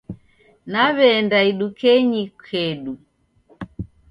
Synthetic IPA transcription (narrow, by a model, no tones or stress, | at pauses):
naβɛndaiɗukɛɲikʰɛɗu